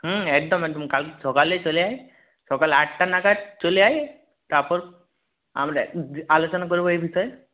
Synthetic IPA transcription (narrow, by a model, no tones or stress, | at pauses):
ɦə̃ɛk̚d̪ɔmɛɡ̚d̪ɔmkalkesɔkalet͡ʃoleae | sɔkalaʈʈanaɡat͡ʃoleaje | t̪aɾpɔɾ | a̰mɾealot͡ʃɔnakoɾiboejbʱiʃɔje